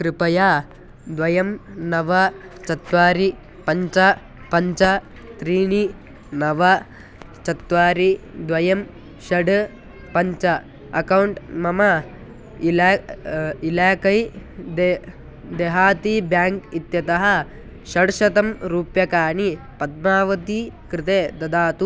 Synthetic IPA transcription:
kɾɨpɐjaː | d̪ʋɐjɐmnɐʋɐ | t͡ʃɐt̪ʋaːɾi | pɐɲt͡ʃɐ | pɐɲt͡ʃɐ | t̪ɾiːɳi | nɐʋɐ | t͡ʃɐt̪ʋaːɾid̪ʋɐjɐm | ʃɐɖ | pɐɲt͡ʃɐ | ɐkɐwɳʈmɐmɐ | ilaː | ilaːkɐjd̪e | d̪eɦaːt̪ibjaːŋkit̪jɐt̪ɐɦɐ̆ | ʃɐɖʃɐt̪ɐmɾuːpjɐkaːɳi | pɐd̪̚maːʋɐt̪ikɾɪt̪eːd̪ɐd̪aːt̪u

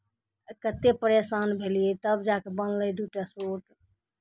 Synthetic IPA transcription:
kət̪epəɾesaːnbʱelijet̪əbd͡ʒakebənləjd̪uʈasoʈ

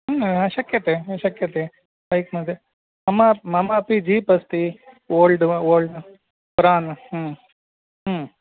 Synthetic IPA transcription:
ɐʃɐkjɐt̪eːɐʃɐkjɐt̪eː | lɐjkmɐd̪e | mɐmɐmɐmɐpid͡ʒiːpɐst̪i | ʋoːlɖʋoːlɖ | pɾaːn

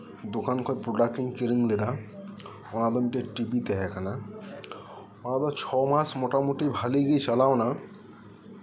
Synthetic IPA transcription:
d̪okankʰɔjpɾoɖakʈiŋkeɾiŋled̪a | ɔnad̪ɔmiʈeʈipit̪ɛɦɛkʰana | ɔnad̪ɔt͡ʃʰɔmasʰmɔʈamoʈibʱaleɡejt͡ʃalaona

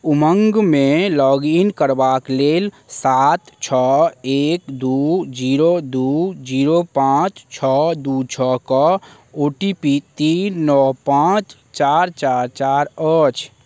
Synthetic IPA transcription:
uməŋɡmelɔɡinkəɾbaklel | sat̪t͡ʃʰɔekd̪ud͡ʒiɾod̪ud͡ʒiɾopãt͡ʃt͡ʃʰɔd̪ut͡ʃʰɔkɔ | oʈipit̪inːɔɦpãt͡ʃ | t͡ʃaɾt͡ʃaɾt͡ʃaɾət͡ʃʰ

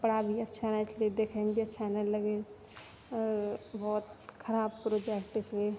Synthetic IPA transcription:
pəɽabʱiɐtːʃʰanat͡ʃled̪ekʰambʱiɐtːʃʰanaləɡe | ɔbɔːt̪kʰɐɾaːbpɾod͡ʒekʈɪse

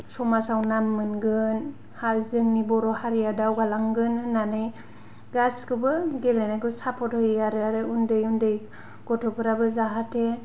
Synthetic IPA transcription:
sɔmasawnamːɯnɡɯn | haɾzɯŋnibɔɾɔhaɾijadawɡalaŋɡɯnɯːanɯj | ɡaskɯbɯɡelenakɯsapʰɔthɔjaɾɯaɾɯundɯjundɯj | ɡ̥ɔtʰɔpʰɯɾabɯzaɦatʰe

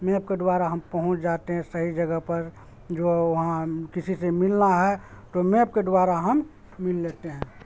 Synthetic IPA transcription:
mẽːb̚ked̪waːɾaɦəmpəɦʊ̃t͡ʃd͡ʒat̪eɦɛ̃səɦid͡ʒəɡəɦpəɾ | d͡ʒoʊɦãkɪsisemɪlnaɦɛ | t̪omẽːp̚ked̪waːɾaɦəmː | ɪlːeːt̪eɦɛ̃ː

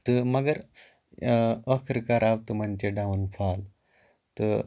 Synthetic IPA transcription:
t̪əməɡəɾ | əkʰɾkaɾaʋt̪umant͡ɕeɖaunfʰal | t̪ə

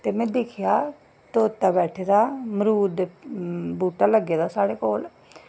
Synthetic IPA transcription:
t̪eːmɛ̃ːd̪ɪkʰɪjaː | t̪oːt̪aːbɛːʈʰeːd̪aːməɾuːɾd̪eːbuːʈaːləɡeːd̪aːsaːɽeːkoːl

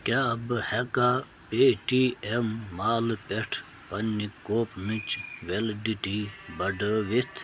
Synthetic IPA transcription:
kabɨheka | peːʈiːemːaːlpeʈʰ | pɐnːikoːpmit͡ʃʋeldiʈibɐɖəʋit̪ʰ

